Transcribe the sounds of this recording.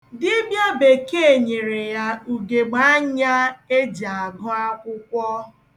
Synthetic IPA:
dɪ˦bja˦be˨ke˦e˨ɲe˨ɾe˨ja˦u˨ɡe˨ɡ͡ba˦ɲa˦e˦d͡ʒa˨a˨ɡɔ˦a˦kʊ˦kʷɔ˦

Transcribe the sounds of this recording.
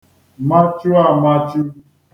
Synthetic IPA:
ma˦t͡ʃu˦a˦˨ma˦t͡ʃu˦

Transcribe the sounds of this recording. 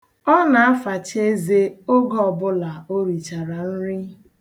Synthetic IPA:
ɔ˦na˨a˦fa˨t͡ʃe˦ze˦o˦ɡɔ˦ɔ˨bʊ˦la˨o˦ɾi˨t͡ʃa˨ɾa˨n̩˦ɾɪ˦

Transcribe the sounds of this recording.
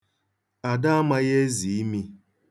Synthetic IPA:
a˨da˦a˦ma˦ɣe˦zi˨i˦mi˦

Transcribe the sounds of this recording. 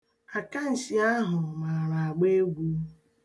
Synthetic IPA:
a˨ka˦n̩˨si˨a˦ɦʊ˨ma˨ɾa˨a˨ɡ͡be˦ɡʷu˦

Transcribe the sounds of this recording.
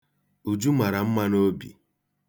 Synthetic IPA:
u˨d͡ʒu˦ma˨ɾa˨m̩˦ma˦no˦bḭ˨

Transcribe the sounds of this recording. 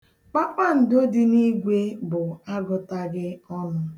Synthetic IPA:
k͡pa˦k͡pa˦˨n̩˨do˦di˦ni˦ɡʷe˦bʊ˨a˦ɡʊ˦ta˦ɡɪ˦ɔ˦nʊ˦

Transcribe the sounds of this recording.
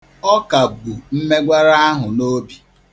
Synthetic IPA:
ɔ˦ka˨bu˨m̩˦me˦ɡʷa˦ɾa˦a˦ɦʊ˨no˦bi˨

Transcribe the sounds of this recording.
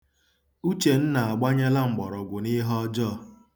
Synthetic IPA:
u˦t͡ʃe˨n̩˦na˨a˨ɡ͡ba˦ɲe˦la˦ŋ͡m̩˨ɡ͡bɔ˨ɾɔ˨ɡʷʊ˨ni˦ɦɔ˦d͡ʒɔ˦

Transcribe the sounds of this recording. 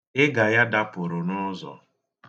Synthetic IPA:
ɪ˦ɡa˨ja˦da˦pʊ˨ɾʊ˨nʊ˦zɔ̰˨

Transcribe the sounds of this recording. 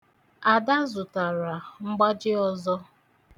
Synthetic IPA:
a˨da˦zʊ˨ta˨ɾa˨ŋ͡m̩˦ɡ͡ba˦d͡ʒɪ˦ɔ˦zɔ˦

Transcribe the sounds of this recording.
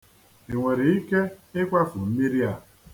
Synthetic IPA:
i˨ŋʷe˨ɾi˨i˦ke˦ɪ˦kʷa˦fʊ˨m̩˦mi˦ɾi˦a˦˨

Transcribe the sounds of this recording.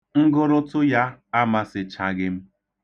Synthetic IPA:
ŋ̩˦ɡʊ˦ɾʊ˦tʊ˦ja˦a˦ma˦sɪ˨t͡ʃa˨ɡɪ˦m̩˦

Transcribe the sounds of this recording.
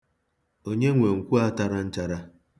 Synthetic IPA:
o˦ɲe˦ŋʷe˨ŋ̩˨kʷu˦a˦ta˦ɾa˦n̩˦t͡ʃa˦ɾa˦

